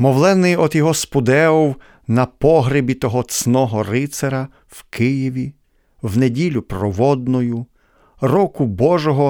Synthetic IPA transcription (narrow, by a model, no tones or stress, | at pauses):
mɔwlˠɛnɪjɔd̪jɔɦɔspʊd̪ɛɔw | nɐpɔɦɾɪbʲit̪ɔɦɔt̪snɔɦɔɾɪt̪seɾɐ | wkɪjiʋʲi | wnedʲilʲʊpɾɔʋɔd̪nɔjʊ | rɔkʊbɔʒɔɦɔ